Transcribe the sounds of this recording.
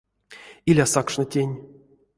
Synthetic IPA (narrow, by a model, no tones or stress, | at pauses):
ilʲasakʂnətʲenʲ